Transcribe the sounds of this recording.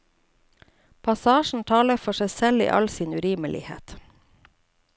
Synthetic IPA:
pʰɑsɑːʃn̩t̪ʰɑːləfɔʃæɪsɛlḭːʔɑ̰lsiːnʉɾiːməlɪ̰hḛːt̪

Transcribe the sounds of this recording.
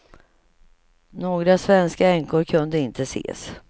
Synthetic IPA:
noːɡɾasvɛnskaɛŋkʊɾkʰɵnd̪əɪnt̪ʰəsḛːs

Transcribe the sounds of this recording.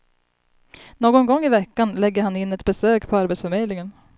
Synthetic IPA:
noːɡɔnɡɔŋːɪvɛkːanlɛɡːəɾhanɪnːɛt̪bɛsøːkpʰɔaɾbɛt̪sfœɾmeːd̪lɪŋən

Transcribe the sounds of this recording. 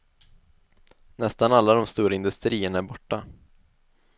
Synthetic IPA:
nɛst̪analːad̪ɔmst̪uːɾaɪnd̪ɵst̪ɾiːəɳaæɾbɔʈːa

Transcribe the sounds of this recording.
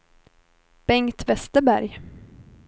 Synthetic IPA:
b̥ɛŋt̪vɛst̪əbæɾj

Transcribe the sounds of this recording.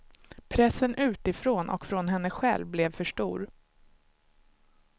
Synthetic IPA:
pʰɾɛsːənʔʉ̟ːt̪ɪfɾoːnʔɔ̰kfɾɔnɦɛnːəɧɛ̰lvblɛvfœʂʈuːɾ

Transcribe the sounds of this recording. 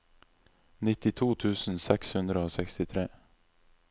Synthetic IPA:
nɪt̪ɪt̪ʰuːt̪ʰʉːsn̩sɛkshʉnd̪ɾəoːsɛkst̪ɪt̪ʰɾeː

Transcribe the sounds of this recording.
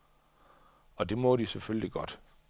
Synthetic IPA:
ɒ̽d̥e̝mɔ̽d̥isefølliɡ̥ɒ̽d̥

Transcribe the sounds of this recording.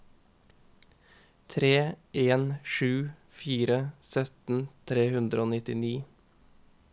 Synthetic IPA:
t̪ʰɾeːʔeːnʃʉː | fiːɾəsœt̪n̩t̪ʰɾeːhʉnd̪ɾəoːnɪt̪ɪniː

